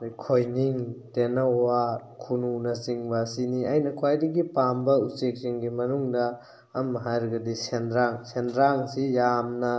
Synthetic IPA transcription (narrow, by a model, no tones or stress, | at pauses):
kʰojniŋtenɐwakʰununɐsiŋbasiniajnɐkʰwajdɐɡipambɐusek̚siŋɡimɐnuŋdɐː | mːɐɦajɾɐɡɐdisendɾaŋsendɾaŋsijamnɐ